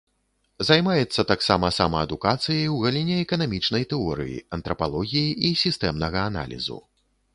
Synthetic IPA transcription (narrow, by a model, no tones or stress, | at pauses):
zajmajɛt̪sːɐt̪aksamɐsamɐɐd̪ukat̪sɨjɐjwɣalʲinʲɛɛkɐnamʲit͡ʂnɐjt̪ɛɔɾɨ̰jḭɐnt̪ɾɐpalˠɔɣʲijiʔisʲist̪ɛmnɐɣɐːna̰lʲḭzṵ